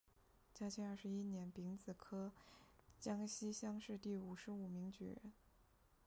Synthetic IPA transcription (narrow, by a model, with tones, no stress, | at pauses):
t͡ɕja˥t͡ɕʰɛ˧˥ɐ˞˥˩ʂɻ̩˧˥i˥njɛ˧˥npi˧˥ŋt͡sɹ̩˨˩kʰɤ˥ | t͡ɕjɑ˥ŋɕi˥ɕjɑ˥ŋʂɻ̩˥˧t̪i˥˩u˨˩ʂɻ̩˧˥u˨˩mi˧˥ŋt͡ɕy̰˨˩˦